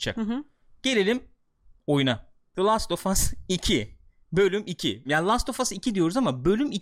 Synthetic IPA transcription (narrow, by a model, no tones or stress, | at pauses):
t͡ʃʰa̰k | ɟ̥e̞lʲelʲim | o̞juna | dlˠast̪o̞fasicʰi | bø̞lʲymicʰḭjaːnlˠast̪o̞fasicʰid̪ijo̞ɾuzamabø̞lʲymi